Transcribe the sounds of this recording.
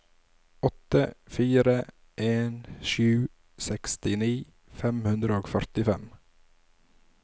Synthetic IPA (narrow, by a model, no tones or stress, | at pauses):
ɔt̪əfiːɾə | ʔeːnʃʉː | sɛkst̪ɪniː | fɛmhʉnd̪ɾəoːɡfœɾt̪ɪfɛm